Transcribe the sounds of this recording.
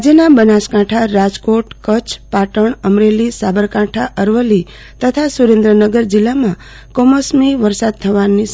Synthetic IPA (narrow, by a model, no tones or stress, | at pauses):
d͡ʒənabənaskãʈʰaɾad͡ʒkoʈkət͡ʃʰpaʈəɳəmɾelisabəɾkãʈʰaʔəɾʋəlːi | t̪ət̪ʰasuɾẽnd̪ɾənəɡəɾd͡ʒɪlːamã | kɔmosmiʋəɾsad̪̚t̪ʰəʋanis